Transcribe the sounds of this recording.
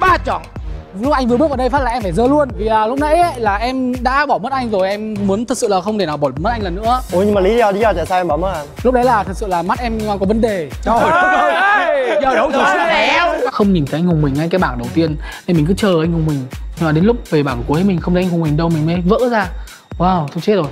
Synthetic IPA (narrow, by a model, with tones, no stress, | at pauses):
ɓaː˧˩t͡ɕɔ˧˩n | lʊ˦˥k͡p̚ʔa˧jŋvɨ˨˩əɓk̚vːɗə˧jfa˦˥t̚laː˨ʔɛ˧mfaː˧˩jzəː˧lu˧ənvi˨˩ʔaː˨˩lʊ˦˥k͡p̚nə̰˧˥jlaː˨˩ʔɛ˧mɗa̰ː˧˥ɓɔ˧˩mə˦˥t̚ʔa˧jŋ̟zo˨˩jʔɛ˧mmu˨˦ənt̪ʰɨ˨˩k̚sɨ̰˧˨laː˨˩xə˧wŋ͡mt̪ʰe˧˩naː˨˩wɓɔ˧˩mə˦˥t̚a˧ŋlə˨˩nːɨ̰˧˥əʔo˨˧˩jɲɨ˧ma˨˩li˨˦˧ɔ˧˩ɗi˨˦ɔ˧˩t͡ɕa˧˩sa˧ʔɛ˧mɓɔ˧˩mə˨˦˥a˨˧˩nlʊ˦˥k͡p̚ɗə˨˦jlaː˨˩t̪ʰɨ˨˩sɨ̰˧˨laː˨˩ma˦˥t̚ʔɛ˧m˨˩kɔ˨˦və˨˦nɗe˨˩˧ | ə˧˦˨ɛ˨˦wxə˧wŋ͡mɲi˨˩nt̪ʰja˧ŋ̟hʊ˨˩ŋ͡mmï˨˩ŋːa˧jkaː˨˦jɓaː˧˩nɗə˨˩wt̪i˧ənna˧jmï˨˩kɨ̰˧˨˦t͡ɕəː˨˩ʔa˧jŋ̟hʊ˨˩ŋ͡mmï˨˩ŋ̟ɲ˧maː˨˩ɗe˨˦nlʊ˦˥k͡p̚ve˨˩ɓaː˧˩nku˨˦jmi˨˩ŋ̟xə˧ŋ͡mt̪ʰŋhʊ˨˩ŋ͡mmï˨˩ŋ̟ɗə˧wmï˨˩ŋ̟ma˨˦və̰ː˧˥zaː˧ | waː˧˩wt̪ʰə˧ŋ͡mt͡ɕe˦˥t̚zo˨˩j